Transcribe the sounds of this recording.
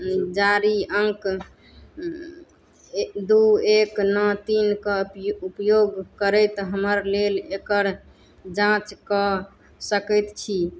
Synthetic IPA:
d͡ʒaɾiəŋk | d̪ueknət̪inkeupəjoɡkəɾət̪ɦəməɾlelekəɾ | d͡ʒãt͡ʃkɔ | səkət̪t͡ʃʰi

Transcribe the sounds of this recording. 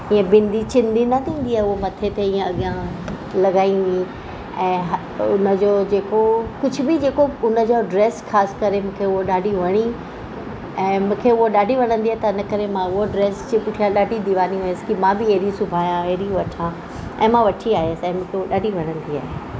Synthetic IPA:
ĩːẽbɪ̃nd̪it͡ɕɪ̃nd̪inɐt̪ʰĩːn̆d̪iaːɦeʊomɐt̪ʰet̪eĩːẽɐɠijã | lɐɡaːĩuĩ | ɛ̃ːɦ | ʊnəd͡ʑod͡ʑeːkokʊd͡ʑʱʊ̆bɪd͡ʑeːkoʊnə̆d͡ʑoɖɾeːsxaːsɪ̥kɐɾemũːkʰeʊɦoɗaːɖʱiʋɐɽ̃i | ɛ̃ːmũːkʰeʊɦoɗaːɖʱiʋɐɽ̃ə̃nd̪iaːɦet̪ɐɪnə̆kɐɾemãʊɦoɖɾeːsd͡ʑipʊʈʰijãɗaːɖʱid̪iʋaːniuːəsɪ̥kimãbɪeɦɾisʊbʱaːjãeɦɾiʋɐʈʰã | ɛ̃ːmãʋɐʈʰiaːɦeəsɪɛ̃ːmũːkʰeʊɦoɗaːɖʱiʋɐɽ̃ə̃nd̪ia̰ːɦe

